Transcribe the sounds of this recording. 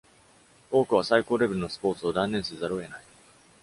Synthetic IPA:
oːkɯ̟βasaiko̞ːɾe̞be̞ɾɯno̞sɨ̥po̞ːt͡sɨod̪ãnːeɰ̃sɨzaɾo̞e̞nai

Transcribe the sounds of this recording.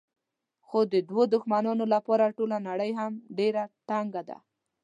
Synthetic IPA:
xod̪əd̪wod̪ʊxmanɑnolapɑɾaʈolanaɽəjɦamɖeɾat̪aŋɡad̪a̰

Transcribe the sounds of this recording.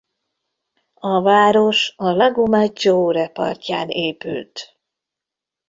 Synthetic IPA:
ɒvaːɾo̞ʃɒlɒɡomad͡ʒoɾɛpɒ̰rcaːneːpy̰lt̪

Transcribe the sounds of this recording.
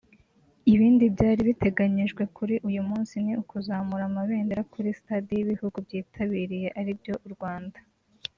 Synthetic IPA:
iβiːndibɟaːɾiβite̞ɡaɲiʒɡwe̞kʰuɾiʔujumuːnsiniukuzaːmuɾamaβe̞ːndeɾakuɾisitaːdijiβihuɡubjiːtʰaβiːɾije̞ʔaɾibjo̞ʔuɾɡwaːnda

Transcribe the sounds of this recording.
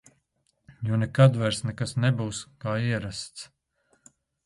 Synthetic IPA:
junɛkad̪vaɾsnɛkasnɛbuːskaːiɛɾast̪s

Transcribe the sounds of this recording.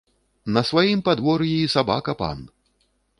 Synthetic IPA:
nɐsvajimpad̪vɔɾjiisaba̰kɐpa̰n

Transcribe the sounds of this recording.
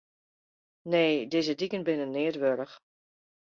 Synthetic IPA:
neːdɪzədikənbɪnənːɪətʋøɾəx

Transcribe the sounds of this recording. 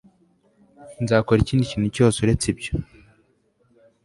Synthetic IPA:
nzaːko̞ɾiciːndiciːn̥uco̞ːsuɾe̞t͡sebɟo

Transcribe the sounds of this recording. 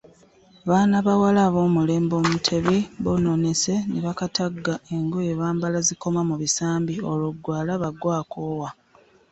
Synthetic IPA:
βaːnaβawalaːβo̞ːmule̞ːmbo̞ːmutʰe̞βiβonone̞se̞neβakataɡːae̞ŋɡo̞je̞βaːmbalaziko̞mamuβisaːmbioluɡːwaːlaβaɡwaːkoːwa

